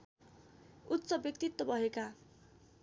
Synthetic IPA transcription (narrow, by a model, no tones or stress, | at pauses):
ut̪ːsʌbjʌk̚t̪it̪ːʌbʱʌɦeka